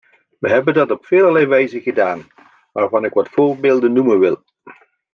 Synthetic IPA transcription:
ʋəɦɛbəndɑtɔpfɪːləlɛjʋɛjzənχədaːn | ʋaːɹvɑnɪkʋɑtfʊːɹbɪːlˠdənːumənʋɪ̰lˠ

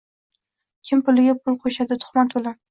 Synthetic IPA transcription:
kʲʰɪmpʊlɪɡʲapʰʊlˠqʰoʃad̪ɪt̪ʰʊ̥χmat̪bola

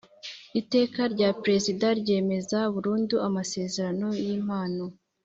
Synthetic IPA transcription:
ite̞ːkaɾɟapɾe̞zidaɾɟe̞ːme̞zauβuɾuːnduamase̞ːze̞ɾano̞jiːmaːno̞

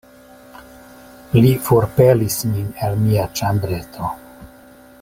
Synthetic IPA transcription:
lifoɾpelisminelmiat͡ʃambɾe̞tʰo̞

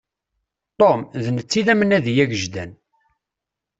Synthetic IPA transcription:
t̪ˤomðənət͡sːiðæmənæðjæɡəʒd̪æ̰n

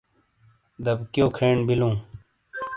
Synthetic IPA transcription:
d̪ɐbkjoːkʰeːɳbilũː

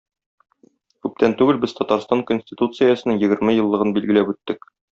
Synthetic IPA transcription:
kʉp̚t̪ænt̪ʉɡɘlbɘz̥t̪ʰɒt̪ɑɾst̪ɑŋkonʲsʲtʲit̪ut̪sɨjasɤ̆nɤŋjɘ̆ɡɘ̆ɾmɘjɤ̆lˠːɤ̆ʁɤnbilɡɘ̆læpʉt̪ːɘk

